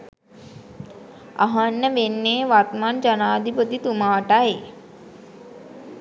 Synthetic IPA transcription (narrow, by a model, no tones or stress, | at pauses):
ɐ̰ɦɐnːəʋenːeːʋat̪mand͡ʒənaːd̪ʱipət̪it̪umaːʈae